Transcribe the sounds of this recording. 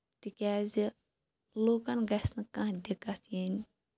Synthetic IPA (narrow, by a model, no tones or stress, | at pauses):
t̪ikʲaːzi | loːkɐnɡɐsʲnɨkãɦd̪ʲikɐt̪ʰjenʲ